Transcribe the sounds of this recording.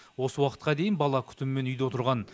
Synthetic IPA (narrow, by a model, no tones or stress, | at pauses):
wo̞səwɑqə̥t̪̚qɑd̪e̞jɪnbɑlˠɑkʲʰʏ̥t̪ɪmːe̞nʏjd̪ewo̞t̪əɾʁɑn